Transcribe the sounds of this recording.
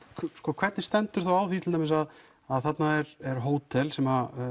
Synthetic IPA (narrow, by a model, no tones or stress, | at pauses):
skɔːkʰvɛt̪nɪst̪ɛnt̪ʏɾ̥θawawθit̪ʰɪlt̪emɪsað | aðθat̪naɛɾɛɾɦoːwt̪ʰɛlsɛma